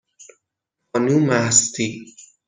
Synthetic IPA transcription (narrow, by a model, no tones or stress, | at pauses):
ɔnumast̪i